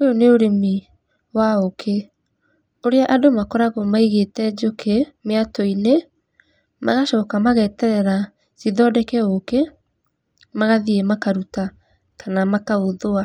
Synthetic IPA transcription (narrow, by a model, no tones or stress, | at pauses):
ojoneoɾemi | waokʰe | oɾeaʔadomakɔɾaɣomaiɣetɛd͡ʒokʰemeatɔine | mʔa̰ɣaʃɔːkamaɣɛtɛɾɛɾa | ziðɔdɛkɛoke | maɣaðiemakaɾuta | kanamakaoðoa